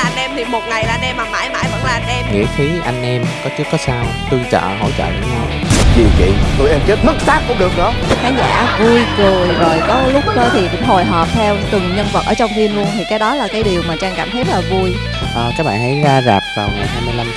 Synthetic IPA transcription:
ʔa˧nʔɛ˧mt̪ʰi˨˩mo˨˩t̚ŋa˨˩jlaː˨˩˧nʔɛ˧mːaː˧˨˩nma̰ː˧˥˦jma̰ː˧˩jvə˨˧˩ŋ̚laː˨a˧nʔɛ˧mŋḭ˧˥ət̪ʰi˨˦ʔa˧jŋ̟ʔɛ˧mkɔ˨˦t͡ɕɨ˦˥ək̚ːɔ˨˦saː˧wt̪ɨ˧ŋt͡ɕə̰ː˧˨ɦo̰˧˥˩jt͡ɕə̰ː˧˨ɗ̰ɲɔ˨˦zi˨˩t͡ɕḭ˧˨t̪o˧jʔɛ˧mt͡ɕe˦˥t̚mɨ˦˥k̚saː˦˥k̚ːʊ̰˧˩˦ɗɨ˨˩ək̚ɗɔ˨˦xaː˨˦ŋza̰ː˧˩vu˧jkɨ˨˩əzo˨˩jkɔ˨˦lʊ˦˥k͡p̚kəː˧t̪ʰi˨˩kʊ̰˧˥ŋ͡mɦo˨˩jɦɔː˨˩p̚t̪ʰɛ˧wt̪ɨ˨˩ŋɲə˧nvə˨˩t̚ʔəː˧˩t͡ɕwŋ͡mfi˧ənlu˧ənt̪ʰi˨˩kaː˨˦jɗɔ˨˦laː˨˩kaː˨˦jɗi˨˩əwmaː˨˩t͡ɕaː˧ŋkaː˧˩mhʰe˦˥t̚laː˨˩vu˧j | ʔəː˨˩kaː˨˦˥k̚ɓa̰ː˧˨nt̪ʰə̰˨˦jzaː˧zaː˨˩p̚vaː˨˩wŋa˨˩jɦaː˧jmɨ˧əjla˧m

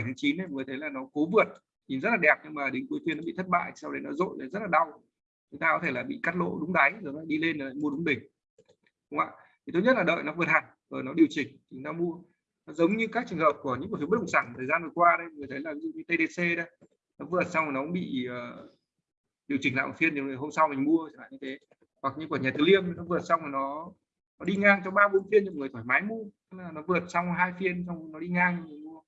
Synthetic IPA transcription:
a˨˩jt̪ʰɨ˨˦t͡ɕi˨˦nə˨jŋɨ˨˩t̪ʰə˨˦jlaː˨˩nɔ˨˦ko˨˦vɨ˨˩ət̚ | ɲi˨˩nzə˦˥laː˨˩ɗɛ˨˩p̚ɲɨ˧ŋmaː˨˩ɗe˨˦nku˨˦t̪wi˧˩ənːɔ˦ɓḭ˧˨t̪ʰt̚ɓa̰ː˧˨jt̪ʰi˨˩sa˧wɗə˨˦jnɔ˨˦zo̰˧˨jlə˨˩jzə˦˥t̚laː˨˩ɗa˧w | t͡ɕʊ˨˦ŋ͡mt̪aː˧kɔ˨˦t̪ʰe˧˩laː˨˩ɓḭ˧˨ka˦˥t̚lo̰˧˨ɗʊ˨˦ŋ͡mɗa˨˦jzo˨˩nɔ˨˦laː˧˨˦ɗi˧le˧nːa˨˩la̰ː˧˨jmu˧ə˧ɗʊ˨˦ŋ͡mɓï˨˩ŋ̟ | ɗʊ˨˦ŋ͡ma̰ː˧˨ | t̪ʰi˨˩t̪o˧jɲə˦˥t̚laː˨˩ɗə̰ː˧˨jnɔ˨˦vɨ˨˩ət̚ha˨˩j | ʔəː˨˩nɔ˨˦ɗi˨˩əwt͡ɕï˨˩ŋ̟t̪ʰi˨˩nɔ˨˦mu˧ə | ɔ˨˦zə˨˦wŋ͡mɲɨ˧kaː˦˥k̚t͡ɕɨ˨˧˩ŋhə̰ː˧˨p̚ku˧˩əɲɨ̰˧˥ku˧˩fɓ̚ɗə̰˧˨ŋ͡msaː˧˩ŋ˨˩t̪ʰəː˨˩zaː˧nvɨ˨˩kwaː˧ɗə˧jŋɨ˨˩ət̪ʰə˨˦jlaː˨˩vi˨˦zṵ˧˨ɲɨ˧t̪e˧ɗe˧se˧ɗə˧˦j | nɔ˨˦vɨ˨˩ət̚sa˧wŋ͡mhɔ˨˩nɔ˦kʊ̰˧˥ŋ͡mɓḭ˧˨əː˨˩ | ɗi˨˩əwt͡ɕï˨˩ŋla̰˧˨ʔfi˧əni˨˩˨ho˧msa˧wmï˨˩ŋ̟mu˧ə˧t͡ɕa˧˩nla̰˧˨ɲɨ˧t̪ʰe˨˦ | hwa˨˩k̚ɲɨ˧kwɲaː˨˩t̪ɨ˨˦li˧əm˧˦nɔ˨˦vɨ˨˩ət̚sa˧waː˨˩jnɔ˨˦ | nɔ˨˦ɗi˧ŋaː˧ŋt͡ɕɔ˧ŋ͡mɓaː˧ɓnfi˧ənɲɨ̰˧˨˩ŋɨ˨˩jt̪ʰɔː˧˩jmaː˨˦jmu˧ə˧˦laː˨˩nɔ˨˦vɨ˨˩ət̚sa˧wŋ͡mɦaː˧jfi˧ənt͡ɕɔ˧wnɔ˨˦ɗi˧ŋaː˧ŋ˧˩mi˨˩mu˧ə

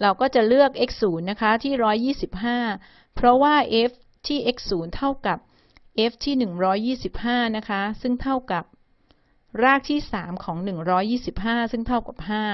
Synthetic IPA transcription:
ɾa˧wkɔː˥˩t͡ɕa˨˩lɯ˥˩ək̚ʔe˦˥k̚suː˩˦nːa˦˥kʰa˦˥t̪ʰiː˥˩ɾɔː˦˥jːiː˥˩si˨˩p̚ɦaː˥˩ | pʰɾɔ˦˥waː˥˩ʔe˦˥f | t̪ʰiː˥˩ʔe˦˥k̚suː˩˦nt̪ʰa˥˩wka˨˩p̚ | ʔeː˦˥f̚t̪ʰiː˥˩nɯ˨˩ŋɾɔː˦˥jːiː˥˩si˨˩p̚haː˥˩na˦˥kʰa˦˥sɯ˥˩ŋt̪ʰa˥˩wka˨˩p̚ | ɾaː˥˩k̚t̪ʰiː˥˩saː˩˦mkʰɔː˩˦ŋnɯ˨˩ŋɾɔː˦˥jːiː˥˩si˨˩p̚ɦaː˥˩sɯ˥˩ŋt̪ʰa˥˩wka˨˩p̚haː˥˩

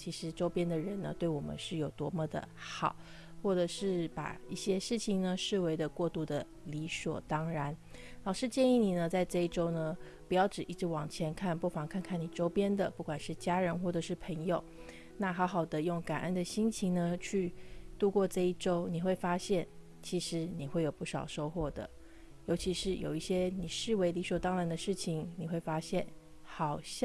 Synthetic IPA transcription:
t͡ɕʰi˧˥ʂɻ̩˧˥ʈ͡ʂo˥ʊpjɛ˥nd̪ə˨ɻə˧˥nnə̰˧t̪we˥˩ɪwɔ˨˩mə̰˦nʂɻ̩˥˩jo˨˩ʊt̪wɔ˧˥mɔ˥˧d̪ə̰˩xɑ˨˩˦ʊ | xwɔ˥˩ʈ͡ʂɤ˨˩ʂɻ̩˥˩pa̰˨˩i˥˩ɕjɛ˥ʂɻ̩˥˩t͡ɕʰi˧˩ŋnə˧ʂɻ̩˥˩we˧ɪd̪ə˧kwɔ˥˧t̪u˥˩d̪ə˩ | li˧˥swɔ̰˨˩t̪ɑ˥ŋɻa˧˥n | lɑ˨˩ʊʂɻ̩˥˧t͡ɕjɛ˥˧ni˥˩ni˨˩nə˦t͡sa˥˧ɪʈ͡ʂɤ˥˧i˥˩ʈ͡ʂo˥ʊnə˧ | pu˨˩jɑ˥˩ʊʈ͡ʂɻ̩˨˩ʔi˥˩ʈ͡ʂɻ̩˧˥wɑ˨˩ŋt͡ɕʰjɛ˧˥nkʰa˥˩npu˥˩fɑ˨˩ŋkʰnkʰa˥˩ni˨˩ʈ͡ʂo˥ʊpjɛ˥nd̪ə˨pu˥˩kwa˨˩nʂɻ̩˥˩t͡ɕja˥ɻə˧˥nxwɔ˥˩ʈ͡ʂɤ˨˩ʂɻ̩˥˩pʰɤə˧˥ŋjo˨˩ʊ | na˥˩xɑ˧˥ʊxɑ˨˩ʊd̪ə˦jʊ˥˩ŋka˨˩nʔə˥nd̪ə˨ɕi˥ŋt͡ɕʰi˧˥ŋnə˧t͡ɕʰy˥˧t̪u˥˧kwɔ˥˧ʈ͡ʂɤ˥˧i˥˩ʈ͡ʂo˥ʊni˨˩xwe˥˩ɪfa˥ɕjɛ˥˩n | t͡ɕʰi˧˥ʂɻ̩˧˥ni˨˩xwe˥˩ɪjo˨˩ʊpu˥˩ʂɑ̰˨˩ʊʂo˥ʊxwɔ˥˩d̪ə̰˩ | jo˧˥ʊt͡ɕʰi˧˥ʂɻ̩˥˩jo˨˩ʊi˥˩ɕjɛ˥ni˨˩ʂɻ̩˥˩we˧˥ɪli˧˥ʂwɔ˨˩t̪ɑ˥ŋɻa˧˥nd̪ə˧ʂɻ̩˥˩t͡ɕʰi˨˩ŋni˨˩xwe˥˩ɪfa˥ɕjɛ˥˩n | xɑ˨˩ʊɕ

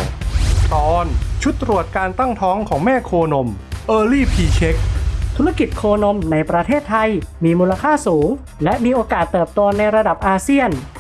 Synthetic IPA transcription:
t̪ɔː˧nt͡ɕʰu˦˥t̪ːɾu˨˩ət̪̚kaː˧nt̪a˥˩ŋt̪ʰɔː˦˥ŋkʰɔː˩˦ŋmɛː˥˩kʰoː˧no˧mʔɤː˧liː˥˩pʰiː˧t͡ɕʰe˦˥k̚t̪ʰu˦˥ɾa˥˧˩ki˨˩t̪̚kʰoː˧no˧mna˧jpɾa˧t̪ʰeː˥˩t̪ʰːa˧jmiː˧muː˧la˧kʰaː˥˩suː˩˦ŋ | lɛ˦˥ʔmiː˧ʔoː˧kaː˨˩t̪ːɤː˨˩p̚t̪o˧na˧jɾa˧da˨˩p̚ʔaː˧si˥˩ən

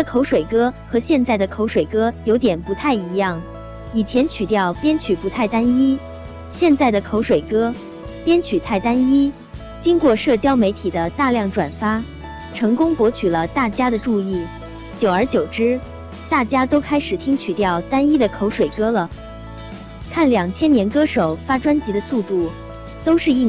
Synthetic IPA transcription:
kʰo˧˥ʊʂwe˨˩ɪkɤ˥xɤ˧˥ɕjɛ˥˧nt͡sa˥˩ɪd̪ə˩kʰo˧˥ʊʂwe˨˩ɪkɤ˥jo˧˥ʊt̪jɛ˨˩npu˧˥t̪ʰa˥˩ɪi˧˥jɑ˥˩ŋ | i˨˩t͡ɕʰjɛ˧˥nt͡ɕʰy˨˩t̪jɑ˥˩ʊpjɛ˥nt͡ɕʰy˨˩pu˧˥t̪ʰa˥˩ɪt̪a˥ni˥ | ɕjɛ˥˧nt͡sa˥˩ɪd̪ə˩kʰo˧˥ʊʂwe˨˩ɪkɤ˥ | pjɛ˥nt͡ɕʰy˨˩t̪ʰa˥˩ɪt̪a˥ni˥ | t͡ɕi˥ŋkwɔ˥˧ʂɤ˥˩t͡ɕjɑ˥ʊme˧˥ɪt̪ʰi˨˩d̪ə˦t̪a˥˧ljɑ˥˩ŋʈ͡ʂwa̰˨˩nfa˥ | ʈ͡ʂʰɤ˧˥ŋkʊ˥ŋpwɔ˧˥t͡ɕʰy˨˩lə˦t̪a˥˩t͡ɕja˥d̪ə˨ʈ͡ʂu˥˧i˥˩ | t͡ɕjo˨˩ʊə˞˧˥t͡ɕjo˨˩ʊʈ͡ʂɻ̩˥ | t̪a˥˩t͡ɕja˥t̪o˥ʊkʰa˥ɪʂɻ̩˨˩t̪ʰi˥ŋt͡ɕʰy˨˩t̪jɑ˥˩ʊt̪a˥ni˥d̪ə˨kʰo˧˥ʊʂwe˨˩ɪkɤ˥lə˨ | kʰa˥˩nljɑ˨˩ŋt͡ɕʰjɛ˥njɛ˧˥nkɤ˥ʂo˨˩ʊfa˥ʈ͡ʂwa˥nt͡ɕi˧˥d̪ə˧su˥˧t̪u˥˩ | t̪o˥ʊʂɻ̩˥˧i˥˩

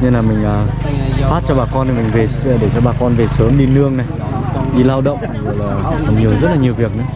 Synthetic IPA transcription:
ɲɨ˧ŋlaː˨˩mï˨˩ŋ̟ʔaː˨˩ | faː˦˥t̚t͡ɕɔ˧ɓaː˨˩kɔ˧ni˨˩mï˨˩ŋ̟ve˨˩˨ɗe˧˩t͡ɕɔ˧ɓaː˨˩kɔ˧nve˨˩səː˨˦mɗi˧nɨ˧əŋna˨˩j | ɗi˧laː˧wɗə̰˧˨wŋ͡mɨ˧˨laː˨˩˨ka˨˩ɲi˨˩əwzə˦˥t̚laː˨˩ɲi˨˩əwvi˨˩ək̚nɨ˨˦

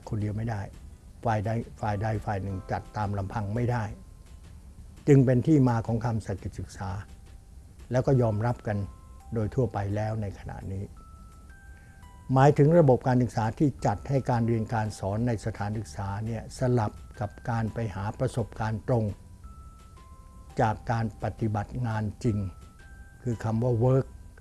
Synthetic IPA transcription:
kʰo˧ndi˧əwma˥˩jda˥˩jfaː˨˩ja˧faː˨˩jda˧jfaː˨˩jnɯ˨˩ŋt͡ɕa˨˩t̪ːaː˧mla˧mpʰa˧ŋma˥˩jda˥˩j | t͡ɕɯ˧ŋpe˧nt̪ʰiː˥˩maː˧kʰɔː˩˦ŋkʰa˧msa˨˧˩ki˨˩t̪̚sɯ˨˩k̚saː˩˦ | lɛː˦˥wkɔː˥˩jɔː˧mɾa˦˥p̚ka˧ndoː˧jt̪ʰu˥˩ɐpa˧jlɛː˦˥wna˧jkʰa˧na̰˨˩ʔniː˦˥ | maː˩˦jt̪ʰɯ˩˦ŋɾa˧bo˨˩p̚kaː˧nsɯ˨˩k̚saː˩˦˥t̪ʰiː˥˩t͡ɕa˨˩t̪̚ha˥˩jkaː˧nɾi˧ənkaː˧nsɔː˩˦nːa˧jsa˧t̪ʰaː˩˦nsɯ˨˩k̚saː˩˦ni˥˩ɐsa˧la˨˩p̚ka˨˩p̚kaː˧npa˧jhaː˩˦pɾa˧so˨˩p̚kaː˧nt̪ɾo˧ŋ | t͡ɕaː˨˩kːaː˧npa˨˩t̪i˨˩ba˨˩t̪̚ŋaː˧nt͡ɕi˧ŋ | kʰɯː˧kʰa˧mwaː˥˩wɤː˦˥k̚

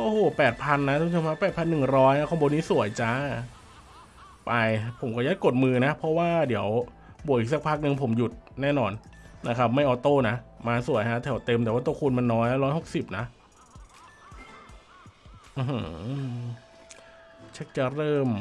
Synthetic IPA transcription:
ʔoː˧˩hoː˨˩pɛː˨˩t̪̚pʰa˧nːa˦˥u˨˩˦ʃo˧mkʰa˦˥pːɛː˨˩pʰa˧nːɯ˨˩ŋɾɔː˦˥jna˦˥kʰo˧˥˩bɔ˧niː˦˥su˨˩˦əjt͡ɕa˦˥ | pa˧jpʰo˩˦mkɔː˧˩ja˦˥t̪̚ko˨˩t̪̚mɯː˧na˦˥pʰɔ˦˥waː˥˩di˩˦əw | bu˨˩k̚ʔiː˨˩k̚sa˧˦k̚pʰaː˥˩k̚nɯ˧ŋpʰo˩˦mju˨˩t̪̚nɛː˥˩nɔː˧nna˦˥kʰa˦˥p̚ma˥˩jʔɔː˧˩t̪oː˥˩na˦˥ʔmaː˧su˨˩˦jɦa˦˥t̪ʰɛ˨˩˦wt̪e˧mt̪ɛː˨˩waː˥˩uː˥˩kʰu˧nma˧nːɔː˦˥jlɛ˦˥ɾɔː˦˥jho˨˩k̚si˨˩p̚na˦˥ʔ | ʔɯː˧ɦɤ˧˦˧ | t͡ɕʰe˦˥k̚t͡ɕa˧˩ɾɤː˥˩m

